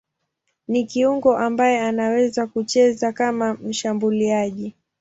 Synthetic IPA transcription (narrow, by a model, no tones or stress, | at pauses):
nikiuŋɡɔʔambajɛanawɛzakut͡ʃɛzakamam̩ʃambuliaʄi